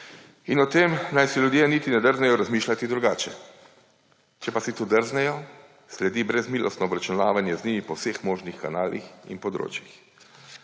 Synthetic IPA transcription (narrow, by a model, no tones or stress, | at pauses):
inɔt̪emnajsilʲjud̪jenit̪inɛd̪əɾznɛjɔɾazmiːʃlat̪id̪ɾuɡaːt͡ʃɛ | t͡ʃɛpasit̪od̪əɾznɛjɔ | slɛd̪iːbɾɛzmiːlʔɔ̰st̪nɔːbɾat͡ʃunaːʋanjɛznʲiːmipɔwsexmoːʒnixkanaːlʔḭxḭnpɔd̪ɾo̰ːt͡ʃjix